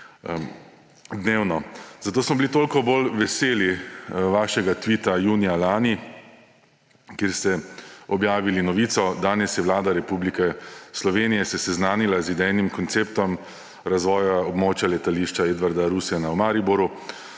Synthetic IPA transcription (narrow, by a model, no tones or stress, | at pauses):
d̪neːwnɔzat̪oːsmɔbilit̪oːlkɔbolʋɛseːliʋaːʃɛɡat̪ʋiːt̪ajuːnijalaːni | kjeːɾst̪ɛɔbjaːʋilinɔʋiːt̪sɔd̪aːnɛsjɛʋlaːd̪aɾɛpublikɛslɔʋeːnijɛsɛsɛznaːnilazid̪ɛjnimkɔnt̪seːpt̪ɔm | ɾazʋɔːjaɔbmoːt͡ʃjalɛt̪aliːʃt͡ʃaed̪ʋaɾd̪aɾusɛnawmaːɾibuɾu